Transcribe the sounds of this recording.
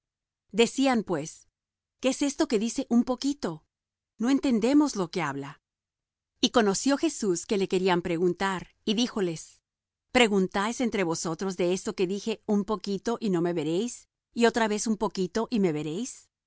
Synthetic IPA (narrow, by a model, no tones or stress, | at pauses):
d̪e̞siampwe̞s | keese̞st̪o̞ke̞ðise̞ʔumpo̞kit̪o̞ | no̞e̞nt̪e̞nd̪e̞mo̞zlo̞ke̞aβla | iko̞no̞sjo̞xe̞suske̞le̞ke̞ɾiampɾe̞ɣunt̪aɾ | iðixo̞le̞s | pɾe̞ɣunt̪ajsent̪ɾe̞βo̞so̞t̪ɾo̞zðe̞e̞st̪o̞ke̞ðixe̞umpo̞kit̪o̞ʔino̞me̞βe̞ɾe̞js | io̞t̪ɾaβe̞sumpo̞kit̪o̞ʔime̞βe̞ɾe̞js